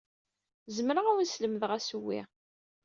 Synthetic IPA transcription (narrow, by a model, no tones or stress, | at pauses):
zəmɾəæwənsləməðʁæsuwːḭ